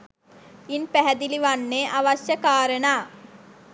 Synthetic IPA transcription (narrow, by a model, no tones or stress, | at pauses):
inpæɦæd̪iliʋanːeʔaʋasjəkaːɾənaː